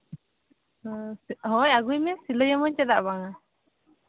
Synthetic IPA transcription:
ɦɔjaɡujmɛsiləjamɔɲt͡ʃɛd̪aʔbaŋa

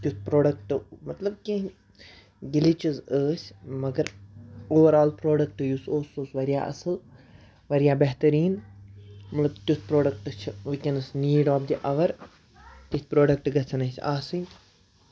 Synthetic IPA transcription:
kʲjut̪pɾoːɖɐk̚ʈmɐt̪lɐb̚kʲĩ | ɡilit͡ʃizəːsʲmɐɡɐɾoːʋɐɾaːlpɾoːɖɐk̚ʈɨjusoːsoːsʋɐɾija̰ːʔɐ̰sɨl | ʋɐɾijaːbɐɦt̪ɐɾiːn | mɐt̪lɐbt̪ʲut̪pɾoːɖɐk̚ʈɨt͡ʃʰʋikʲɐnɨsniːɖɔːbd̪iʔɐʋɐɾ | t̪isʲpɾoːɖɐk̚ʈɡɐt͡sʰɐnɐsʲaːsɨnʲ

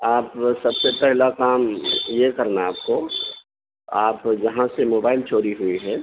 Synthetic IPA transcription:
aːpsɐbsepɛɦlakaːmjekɐɾnaaːpko | aːpd͡ʒɐɦãsemoːbaːɪlt͡ʃoːɾiɦʊiɦɛː

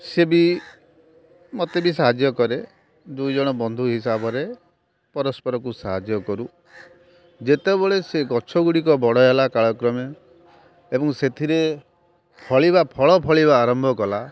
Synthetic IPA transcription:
sebi | mot̪ebis̬aɦad͡ʒjɔkɔɾe | d̪ujd͡ʒɔɽ̃ɔbɔnd̪ʱuɦisabɔɾe | pɔɾɔspɔɾɔkusaɦad͡ʒjɔkɔɾu | d͡ʒet̪ebɔɭeseɡɔt͡ʃʰɔɡuɽikɔbɔɽɔɦelakaɭɔkɾɔmjɔ | ebɔŋset̪ʰiɾe | pʰɔɭibapʰɔɭɔpʰɔɭibaːɾɔmbʱɔkɔla

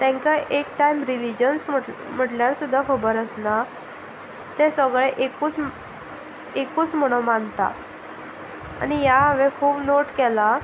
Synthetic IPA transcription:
t̪ɛ̃ŋkaʔekʈaimɾilid͡ʑənsm̤əʈljaɾsud̪ʱːakʰəbəɾəsna | t̪esəɡɭeʔekuːt͡s | ekuːt͡sm̤əɽ̃omant̪a̰ | a̰nijaɦəʋekʰuːbnoʈkɛla

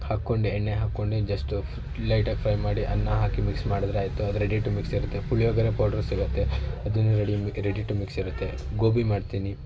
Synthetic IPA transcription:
haːkːoɳɖeːɳːeɦaːkːoɳɖed͡ʒɐsʈ | lɐjʈɐkpʰɾɐjmaːɽiʔɐnːaɦaːkimiksmaːɽɐd̪ɾeaːjt̪uɐd̪ɐɾeɽiʈːumiksiɾut̪ːe̞puɭjoːɡɐɾepoːɾɖɐɾsiɡut̪ːe̞ɐd̪unːuɾeɽiɾeɽiʈːumiksiɾut̪ːe̞ɡoːbimaːɖt̪iːni

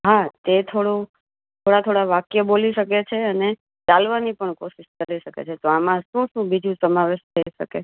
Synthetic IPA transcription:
ɦat̪et̪ʰoɽũ | t̪ʰoɽat̪ʰoɽaʋakjəboliʃəket͡ʃʰeəne | t͡ʃalʋanipəɳkoʃiʃkəɾiʃəkḛt͡ʃʰet̪oamãʃũʃũbid͡ʒũsəmaʋeʃt̪ʰəiʃəke

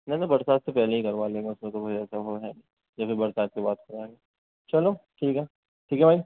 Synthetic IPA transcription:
nɛ̃nabɐɾsaːt̪sepɛɦleɦikɐɾʋalẽːɡaʊsmẽt̪okot͡ʃɛːsaɦoɦɛmː | d͡ʒaːfibɐɾsaːt̪̚kibaːt̪̚kɐɾaẽːŋɡe | t͡ʃɐloʈʰiːkɦɛ | ʈʰiːkɦɛbʱaːi

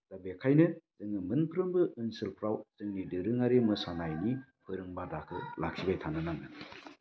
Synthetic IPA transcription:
d̥abekʰajnɯzɯŋɯmɯnpʰɯɾɯmbɯʔːnsɯlpʰɾawzɯŋnidɯɾɯŋaɾemɯsanajnipʰɯɾɯŋbadakʰɯ̰lakʰibajtʰanɯnanɯ

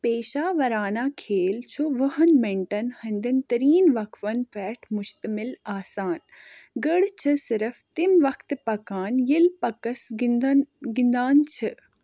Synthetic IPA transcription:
peːʃaːʋɐɾaːnaːkʰeːlt͡ʃʰuʋɐɦɐnmeɳʈɐnhɐnd̪ɐnt̪ɐɾiːnʋɐkʰʋɐnpɛːʈʰmʊʃt̪ɐmɪlaːsaːn | ɡəɽt͡ʃʰɨsɪɾəft̪imʋɐkt̪pɐkaːnjilpɐkɐsnɡɪnd̪aːnt͡ʃʰɨ

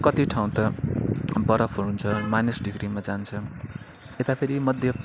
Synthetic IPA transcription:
kʌt̪iʈʰaw̃t̪ʌ | bʌɾʌpʰɦuɾunt͡sʰʌmanesɖiɡɾimad͡zant͡sʰʌ | et̪apʰeɾimʌd̪ʱjʌ

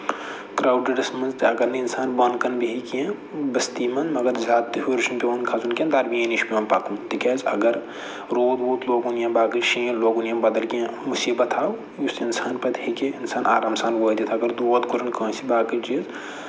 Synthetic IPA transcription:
kɾaːwɖɐɖɐsmɐnzt̪ɐɡɐɾnɐinsaːnbɐnkɐnbiɦikiẽ | bɐst̪iːmɐnmɐɡɐɾzaːt̪ːiɦuɾiʃumpʲeɐnkʰazunkʲẽːnd̪aːɾbiẽniʃpʲimɐnpaːkũmt̪ikɛːzɐ̰ɡɐɾ | ɾoːd̪oːt̪loːɡunjãːbaːkɨʃĩːloːɡunjãːbɐd̪ɐlkiẽmusiːbɐt̪ʰaːw | jusinsaːnpɐt̪hekeɪnsaːnʔa̰ːɾaːmsaːnʋoːd̪it̪ʰɐɡɐɾd̪ut̪kuɾɐnkɐ̃ːsibaːkɐd͡ʒiz

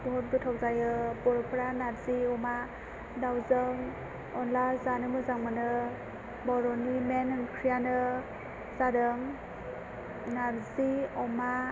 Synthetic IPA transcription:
bʱɔt̚bɯtʰawzajɯbɔɾpʰɾanaɾziɔma | dawzɯŋ | ɔnlazanɯmɯzaŋmɯnɯ | bɔɾɔnimenɯnkʰɾijanɯ | zaɾɯŋ | naɾziɔma

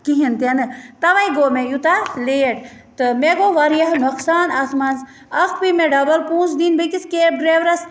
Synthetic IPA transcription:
kiɦint̪ɐnɨt̪ɐʋɐiɡoːmẽjut̪aleːʈ | t̪ɨmeɡoʋɐɾjɐɦnɐksaːnaːsmaːns | ɐkpimẽɖɐbɐlpũːnsd̪inbɨkiskeːbɾeːʋɾɐs

